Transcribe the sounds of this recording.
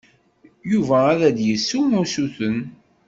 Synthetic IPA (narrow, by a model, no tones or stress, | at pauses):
juvæːðæd̪jəsːumusuθən